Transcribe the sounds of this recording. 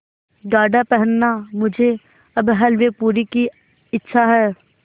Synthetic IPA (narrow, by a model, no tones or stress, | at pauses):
ɡaːɖapɛɦənːamʊd͡ʒʱe | ɐbɦɐlʋepuːɾiki | ɪtːʃʰaɦɛː